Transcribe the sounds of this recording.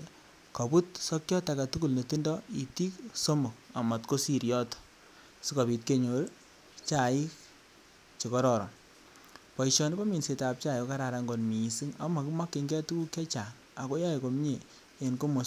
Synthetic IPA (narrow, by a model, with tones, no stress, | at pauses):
ka˨pu˦t̚sɔ˦kjɔ˦ta˨ka˨tu˦ku˦˨lne˨ti˦ndɔ˦i˨ti˦kso˦mo˨k̚a˨ma˨tko˦si˦ɾjɔ˦tɔ̥˨ | si˦kɔ˨pi˨tke˦ɲo˨ɾ | t͡ʃa˨ɪ˦k̚ | t͡ʃe˨kɔ˦ɾɔ˨ɾɔ̰˨ | pa˨iʃɔ˨ni˦pɔ˦mi˨nse˨ta˨p̚t͡ʃa˦jo˨ka˦ɾa˨ɾa˨ŋɡo˨nmiː˨si˦ŋa̰˨˦ma˨ki˦ma˦kːi˨ŋɡɛ˦tu˦ku˦kjɛ˦t͡ʃa˨ŋ | a˨ko˦ja˦e˨ko˨m˦ɲe˨ | e˨nko˦mo˨